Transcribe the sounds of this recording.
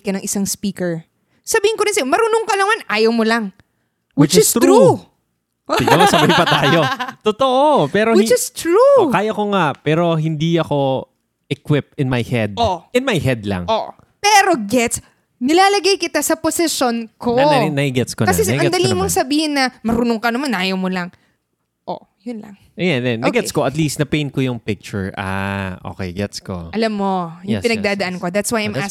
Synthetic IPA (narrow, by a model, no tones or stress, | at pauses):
kɐnɐŋʔɪsaŋspiːkɛɹ | sɐbiːhɪ̃nkoɾɪ̃nsɪmɐɾuːnoŋkɐlɐmanʔaːjɐwmolɐŋ | wɪt͡ʃɪst̪ɾu | ɪɡɐmɐsɐbɐɪpɐt̪aːjot̪ot̪oʔopɛːɾowɪt͡ʃɪst̪ɾukaːjɐkoŋaʔpɛːɾo̞ɦɪnd̪iɐko̞ | ʔɛkwɪp̚ɪnmajhɛd̪̚oɪnmajhɛd̪̚lɐ̰ŋʔoʔ | pɛːɾo̞ɡɛt̪s | nɪlaːlɐɡajkɪt̪asɐposɪʃonkoɐnɐiɡɛt̪skonkɐɛɐɡɛd̪ɐlimoŋsɐbiːhɪnːɐmɐɾuːnoŋkɐnɐmanʔaːjowmolɐŋ | ʔo̰ | jʊnlɐ̰ŋ | ʔɐjanɛnːʔɐɡɛskoʔɐt̪list̪nɐpẽj̃n̚kojʊŋpɪk̚t͡ʃʊɹʔa̰ʔo̰ːkɛ̰jɡɛt̪sko̰ʔɐlamːo̞jʊɛpɪnɐɡd̪aːd̪ɐʔɐnko̞d̪at̪swajãjma